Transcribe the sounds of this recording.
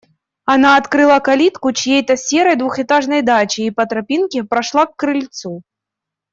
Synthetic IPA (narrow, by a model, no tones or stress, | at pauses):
anaːt̪kɾɨlˠakalʲit̪kut͡ɕjejt̪ɐsʲɛɾɐjd̪vuxɛt̪aʐnɐjd̪at͡ɕiːpɐt̪ɾapʲinkʲɛpɾaʂlˠakːɾɨlʲt̪su